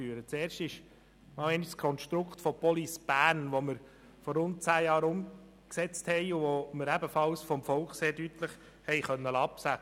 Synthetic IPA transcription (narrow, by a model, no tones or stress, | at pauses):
yːɾət͡seːɾʃtɪʃ | mɑlɛniʃskʰɔnʃtɾʊkχtfɔpɔlisb̥æːɾnʋoməɾ | fɔɾʊnt̚t͡sæːjɑːɾʊm | ksɛt͡sthɛɪʊʋoməɾæbəfɑlsfɔmfɔlkχseːɾdytləχ | hɛɪχœnːəlɑpsæ